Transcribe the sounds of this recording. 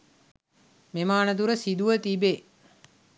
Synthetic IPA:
memaːnət̪̬uɾəsid̪uʋət̪ibe

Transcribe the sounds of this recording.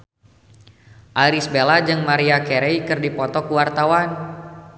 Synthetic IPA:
ʔaɾisbelad͡ʒɨŋmaɾiakeɾejkɨrdipɔt̪ɔkuwart̪awan

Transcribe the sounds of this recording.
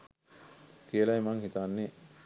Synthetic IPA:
kiəlaemaŋhit̪anːe

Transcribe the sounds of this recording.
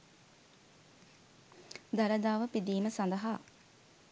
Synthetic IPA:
d̪ɐɾəd̪aːʋəpid̪iːməsand̪ɐɦaː

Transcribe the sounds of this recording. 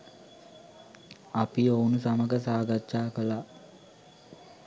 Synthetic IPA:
apiownusaməɡəsaːɡatʃaːkəla

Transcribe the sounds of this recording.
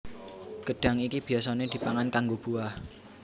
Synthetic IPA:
ɡ̥əɖ̥a̤ŋikib̥i̤as̬aned̪̥i̤paŋankaŋɡob̥ṳah

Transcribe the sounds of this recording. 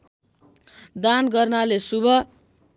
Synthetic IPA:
d̪anɡʌrnalesubʱʌ

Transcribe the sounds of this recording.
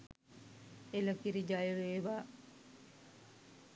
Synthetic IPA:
elakiɾid͡ʒajɾeʋaː

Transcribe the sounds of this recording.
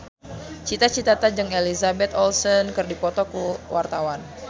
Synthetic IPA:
t͡ʃit̪at͡ʃit̪at̪ad͡ʒɨŋelizabɛt̪ɔlsɔnkɨrdipɔt̪ɔkuwʔart̪awan

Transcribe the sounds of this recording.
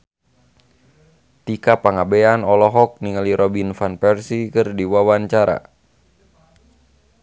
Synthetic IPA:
t̪ikapaŋabɛanɔlɔɦɔk̚niŋaliɾɔbinfanpɛrsikɨrdiwawaɲt͡ʃaɾa̰

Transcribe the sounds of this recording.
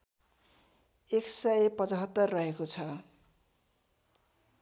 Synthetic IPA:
eksʌjpʌt͡sʌɦʌt̪ːʌrːʌɦekot͡sʰʌ

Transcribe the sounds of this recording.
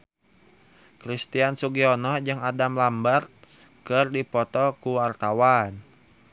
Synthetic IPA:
kɾist̪iansuɡiɔnɔd͡ʒɨŋadamlambart̪̚ | kɨrdipɔt̪ɔkuwart̪awan

